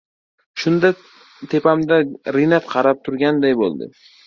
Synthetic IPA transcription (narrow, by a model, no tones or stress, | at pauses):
ʃʊnd̪a | t̪ʰe̞pamd̪aɾɪnat̪qʰɑɾap̚t̪ʰʊɾɡʲand̪ajbo̰lˠd̪ɪ̰